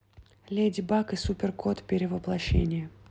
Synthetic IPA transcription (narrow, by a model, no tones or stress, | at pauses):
lʲedʲɪbakɨsupʲɪrkʰot̪pʲɪɾʲɪvəplˠɐɕːḛnʲɪjə